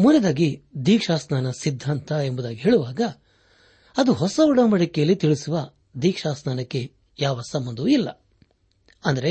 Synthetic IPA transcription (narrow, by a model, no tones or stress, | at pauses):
munːed̪aːɡid̪iːkʂaːsnaːnɐsid̪ʱːaːnt̪ɐembud̪aːɡiɦeːɭuʋaːɡɐ | ɐd̪uɦɔsɐuɽɐmɐɽikɛjɐlːit̪iɭisuʋɐ | d̪iːkʂaːsnaːnɐkːe̞ | jaːʋɐsɐmbɐnd̪uilːɐ̰ | ɐnd̪ɐɾe̞